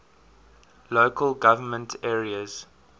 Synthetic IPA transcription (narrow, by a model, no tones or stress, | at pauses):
loːkʰəlɡavəmə̃ntʰɛːɹiəz̥